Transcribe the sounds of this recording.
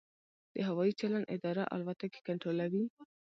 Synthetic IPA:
d̪̥əɦawɑit͡ʃaland̪ɪ̰d̪ɑɾa̰ʔa̰lbat̪ake̥kaɳʈɾolawi

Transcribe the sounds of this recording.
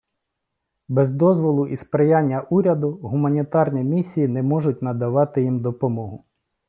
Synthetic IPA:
bɛzd̪ɔzʋɔlˠʊʔispɾejanʲːɐʔuɾʲɐd̪ʊɦʊmɐnʲit̪ɑrnʲimʲisʲːijinɛmɔʐʊtʲnɐd̪ɐʋɑt̪ɪjimd̪ɔpɔmɔɦʊ

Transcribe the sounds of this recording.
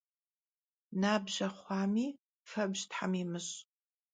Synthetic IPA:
naːbʒɐχʷɑːmiː | fɐbʒtħa̰mimɨɕʼ

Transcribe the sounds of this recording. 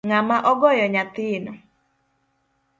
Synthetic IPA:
ŋamaʔɔɡɔjɔɲat̪ɪnɔ

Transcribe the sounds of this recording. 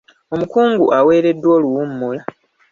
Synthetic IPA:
o̞mukuːŋɡuʔawe̞ːɾe̞dːwo̞ːluwumːula

